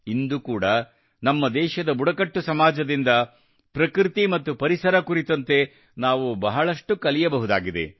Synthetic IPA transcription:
ind̪ukuːɽɐ | nɐmːɐd̪ɛːʃɐd̪ɐbuɽɐkɐʈːusɐmaːd͡ʒɐd̪ind̪ɐ | pɾɐkɾit̪imɐt̪ːupɐɾisɐɾɐkuɾit̪ɐnt̪e̞ | naːʋubɐɦɐɭɐʂʈukɐlijɐbɐɦud̪a̰ːɡid̪e̞̰

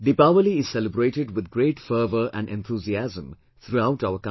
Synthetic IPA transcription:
d̪ipaʋəliɪz̥sɛləbɾeːʈɪɖwɪd̪̚ɡɾeːʈfəːʋəɾæ̰̃ɳɖɛ̃nt̪ʰuːziæzə̃m | t̪ʰɾuaʊʈaʊək

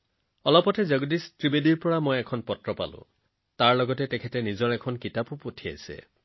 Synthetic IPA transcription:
ɔlɔpɔtɛzɔɡdistɹibediɹpɔɹamojɛkʰɔnpɔtɹɔpa̰lʊ̰̃ | taɹlɔɡɔtɛtɛkʰɛtɛnizɔɹɛkʰɔnkitapupotʰia̰jsɛ̰

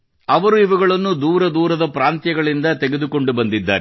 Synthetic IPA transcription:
ɐʋɐɾuiʋɐɡɐɭɐnːud̪uːɾɐd̪uːɾɐd̪ɐpɾaːnt̪jɐɡɐɭind̪ɐt̪ɛɡed̪uko̞ɳɖubɐnd̪id̪ːa̰ːɾ

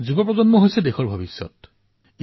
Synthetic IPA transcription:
zubɔpɹɔzɔnmɔɦojsɛdɛxɔɹbʱabisːɔ̰t | i

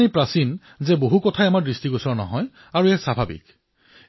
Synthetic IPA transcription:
nipɹasin | zɛboɦukɔtʰajamaɹdɹistiɡusɔɹnɔ̰ɦɔj | aɹuɛsabʱabḭk

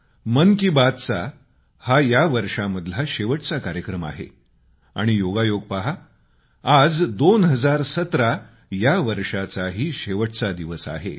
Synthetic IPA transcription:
mənkibad̪t͡sa̰ | hajaʋəɾʂaməd̪ʱlaɕeʋəʈt͡sakaɾjəkɾəma̰ɦḛ | a̰ɽ̃ijoɡajoɡ̚paɦaː | d͡zd̪onɦəd͡zaɾsət̪ɾa | jaʋəɾʂat͡saɦiːɕeʋəʈt͡sad̪iʋəsa̰ɦḛ

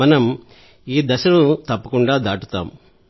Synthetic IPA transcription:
ɐnɐm | iːd̪ɐʃɐɾut̪ɐpːɐkuɳɖaːd̪aːʈut̪a̰ːm

